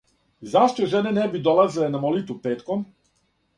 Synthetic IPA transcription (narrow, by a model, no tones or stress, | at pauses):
zaʃt̪oʒenenebid̪o̞lˠazilenamo̞lit̪ʋupe̞ːt̪kom